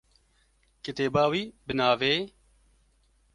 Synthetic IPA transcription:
kɪt̪eːbaːwiːbɨnaːveː

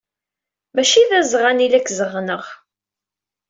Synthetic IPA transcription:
mæʃiðæzʁanilækːzəʁnəʁ

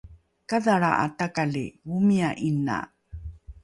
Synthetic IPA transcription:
kaðaɭa̰ʔa̰takalḭwumiaʔina̰

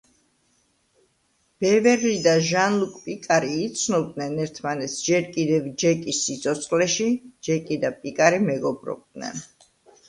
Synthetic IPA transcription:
b̥ɛvɛɾlid̪aʒanlˠukʼpʼikʼaɾiːt̪sʰnɔbd̪nɛnɛɾt̪ʰmanɛt̪sʰd͡ʒɛɾkʼid̪ɛvd͡ʒɛkʼisːit̪sʰɔt̪sʰχlɛʃid͡ʒɛkʼid̪apʼikʼaɾimɛɡɔbɾɔ̰b̚d̪nɛ̰n

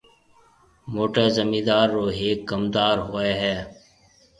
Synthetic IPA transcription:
moːʈeːzəmiːd̪aːɾːoːɦeːk̚ɡəmd̪aːɾɦoːeːɦɛː

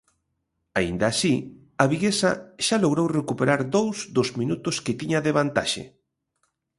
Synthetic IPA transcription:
aḭnd̪aːsi | aβiɣesaʃaloɣɾowrekupeɾaɾðowzðʊzmĩnut̪ʊskɪt̪iɲaðeβant̪a̰ʃḛ

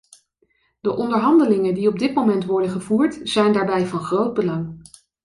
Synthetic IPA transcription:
d̥əʔɔndəɹɦɑndəlɪŋəndiɔb̚dɪtmowmɛntʋɔɹdənχəvuːɹtz̥ɛjndaːɹbɛjvɑnχrowd̚bəlɑŋ

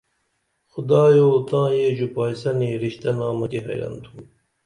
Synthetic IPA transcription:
xʊd̪aːjoːt̪ãːjeːʑupaːjsɐniːɾiɕt̪ɐnaːmɐkeɦɐ̰jɾɐ̰nt̪ʰũː

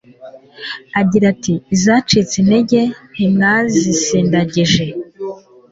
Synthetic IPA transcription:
aɟiɾatiːzaːt͡ʃit͡sineɟe̞n̥imŋazisiːndaɟiʒe̞

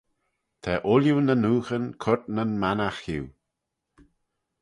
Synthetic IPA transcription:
t̪ʰɛːʔʊljunənuːxənkʰʊt̪nənmanaxhiw

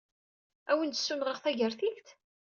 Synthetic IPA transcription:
æwənt̪sːunʁəʁθæʝəɾθiçt̪

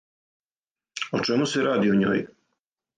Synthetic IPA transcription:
ot͡ʃɛmuseɾaːd̪ioɲo̰ːj

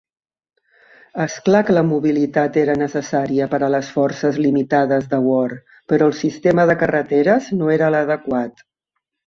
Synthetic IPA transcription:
əsklakələmuβilit̪at̪eɾənəsəsaɾiəpəɾələsfɔrsəzlimit̪aðəzðəwɔɾ | pəɾɔəlˠsist̪eməðəkərət̪eɾəznoeɾələðəkwat̪

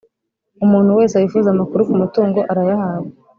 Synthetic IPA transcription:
umuːn̥huwe̞ːseajifuzamakuɾukumutuːŋɡo̞ʔaɾajahaːwe

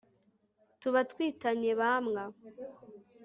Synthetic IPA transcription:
tuβatwiːtaɲe̞βamŋa

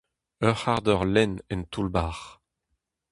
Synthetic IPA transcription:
œʁaʁd̪œʁlɛnɛnt̪ulbaːʁ

